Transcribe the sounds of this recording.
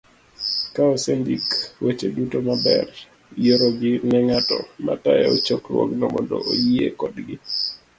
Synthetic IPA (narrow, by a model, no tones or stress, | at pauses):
kaosendikwet͡ʃedutomabɛ̰r | joɾoɡɪnɛŋatɔma̰tajaot͡ʃoklwoɡnɔmɔndɔʔojiekɔdɡɪ